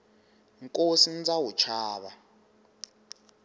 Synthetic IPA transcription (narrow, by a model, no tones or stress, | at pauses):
ŋkʼosin̩d͡zawut͡ʃʰaːɓa